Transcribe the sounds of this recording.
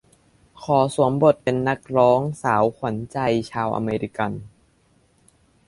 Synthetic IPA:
kʰɔː˩˦su˨˩˦əmbo˨˩t̪̚pe˧nːa˦˥k̚ɾɔː˦˥ŋsaː˩˦wkʰwa˩˦nt͡ɕa˧jt͡ɕʰaː˧wʔa̰˧meː˧ɾi˦˥ka˧n

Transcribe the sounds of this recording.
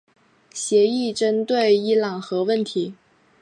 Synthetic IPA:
ɕjɛ˧˥i˥˩ʈ͡ʂə˥nt̪we˥˩ɪi˥lɑ˨˩ŋxɤ˧˥wə˥˩nt̪ʰi˧˥

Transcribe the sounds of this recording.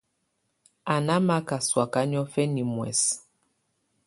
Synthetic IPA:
a˨na˦ma˦ka˨swa˨ka˦ɲɔ˦fɛ˦ni˨mwɛ̰˨s

